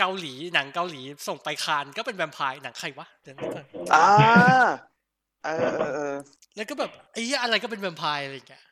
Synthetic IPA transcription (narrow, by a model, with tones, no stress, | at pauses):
ka˧wliː˩˦na˩˦ŋka˧wliː˩˦so˨˩ŋpa˧jkʰaː˧nkɔː˥˩pe˧nwɛ˧mpʰaː˧jna˨˩˦ŋkʰa˧˩jwa˦˥dɯ˧˩˦ŋɯ˦˥kɔː˧˩˧ʔaː˧ | ʔɤː˧ʔːʔɤː˧ | lɛ˦˥wkɔː˥˩bɛː˨˩p̚ʔə˦˥˩ʔa˧ɾa˧jkɔː˥˩p̬e˧nwɛ˧mpʰaː˧jʔa˧ɾa˧jŋːi˦˥ɐ